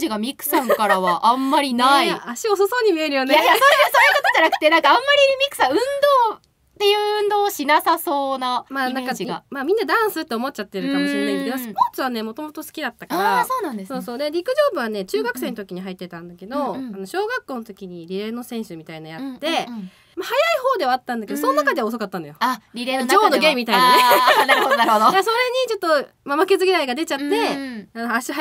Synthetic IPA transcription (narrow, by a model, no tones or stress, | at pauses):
iɡamʲikːɯ̟̥sãŋkaɾaβaʔamːaɾʲinaiaaɕiososo̞ːɲ̟imʲie̞ɾɯ̟jo̞nejajasoːjɯsoːjɯkot̪od͡ʑanak̟t̪e̞nãŋkaãmːaɾʲiɾɯmʲikɯ̥sãɯ̟̃nd̪o̞ː | t̪ːe̞jɯ̟ːɯ̟̃nd̪o̞ːɕinasasoːnamaːnãkaɡamaːmʲĩnːad̪ãɰ̃sɨt̪ːeomo̞t̚t͡ɕat̪ːe̞ɾɯ̟kamoɕiɾenaĩked̪osɨ̥po̞ːt͡sɨβane̞mo̞t̪o̞mo̞t̪o̞sɨ̥kʲid̪at̪ːakaɾasoːnãnd̪esoːso̞ːd̪e̞ɾʲikɯ̟ʑo̞ːbɯ̟βane̞t͡ɕɨːɡakɯ̟̥se̞ːnot̪okʲiɲ̟iɦait̪ːe̞t̪ãnd̪ake̞d̪o̞ano̞ɕo̞ːɡakːo̞ːnot̪okʲiɲ̟iɾʲiɾe̞nosẽ̞ɰ̃ɕɨmʲit̪ainajat̪ːe̞ | mahajaiho̞ːd̪e̞βaːt̪ːãnd̪ake̞d̪osononakad̪e̞aos̬o̞kat̪ːanojoɾʲiɾed͡ʑo̞ːnoɡẽmːit̪ainaeaɾaɾod̪ojaso̞ɾe̞ɲ̟it͡ɕo̞t̪ːo̞ | mamake̞zɨɡʲiɾaiɡad̪e̞t͡ɕat̪ːe̞anoaɕi